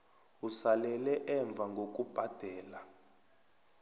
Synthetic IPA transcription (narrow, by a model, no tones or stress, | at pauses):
usalɛlɛʔɛɱb̪vʱaŋɡok̬ʼub̥ʱad̥ʱɛːla